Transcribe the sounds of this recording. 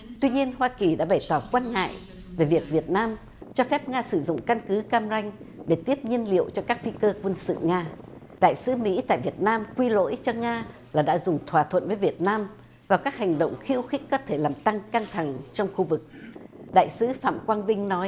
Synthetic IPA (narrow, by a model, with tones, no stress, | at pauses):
t̪wi˧ɲi˧ənɦwaː˧ki˨˩ɗa̰ː˧˥ɓa˧˩jt̪ɔ˨˩kwaː˧nŋa̰ː˧˨j | ve˨˩vi˨˩ət̚vi˨˩ət̚naː˧m | t͡ɕɔ˧fɛ˦˥p̚ŋaː˧sɨ˧˩zʊ̰˧˨ŋ͡mka˧nkɨ˨˦kaː˧mza˧jŋ̟ | ɗe˧˩t̪i˦˥əp̚ɲi˧ənlḭ˧˨əwt͡ɕɔ˧kaː˦˥k̚fi˧kəː˧kwə˧nsɨ̰˧˨ŋaː˧ | ɗa̰ː˧˨jsɨ̰˨˦mḭ˧˥t̪a̰ː˧˨jvi˨˩ət̚naː˧mkwi˧lo̰˧˥jt͡ɕɔ˧ŋaː˧ | laː˨˩ɗa̰ː˧˥zʊ˨˩ŋ͡mt̪ʰwaː˧˩t̪ʰwə̰˧˨nvəː˨˦jvi˨˩ət̚naː˧m | vaː˨˩wkaː˦˥k̚ha˨˩jŋ̟ɗo̰˧˨wŋ͡mxi˧əwxi˦˥k̟̚kɔ˨˦t̪ʰe˧˩laː˨˩mt̪a˧ŋka˧ŋt̪ʰa˧˩ŋt͡ɕɔ˧wŋ͡mxu˧vɨ˨˩k̚ɗa̰ː˧˨jsɨ̰˨˦fa̰ː˧˨mkwaː˧nvï˧ŋ̟nɔ˨˦j